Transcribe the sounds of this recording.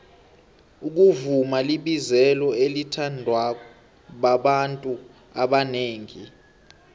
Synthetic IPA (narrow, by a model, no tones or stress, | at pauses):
uk̬uvumaliɓizɛlɔelitʰandʱwak̬ɔ | ɓaɓantʼu | aɓaneːŋi